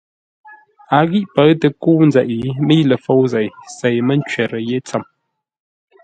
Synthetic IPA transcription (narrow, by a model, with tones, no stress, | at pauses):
a˨ɣi˦ʔpə˨˦ɰtə˨ku˦n̩˦zɛ˨ʔi˨˦mi˦lə˨fo˦wzɛ˨jse˨jmə˦n̩˦t͡ʃɥɛ˨ɾə˨je˦t͡sə˨m